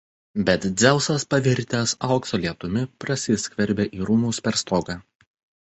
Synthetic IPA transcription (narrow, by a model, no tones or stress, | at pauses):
bʲɛt̪d̪zʲæˑʊsɐspɐʋʲɪɾʲt̪ʲɛsɐˑʊksoːlʲiɛt̪ʊmʲɪpɾɐsʲɪsʲkʋʲɛɾʲbʲeːʔiːɾuːmuːsʲpʲɛɾst̪oːɡɑː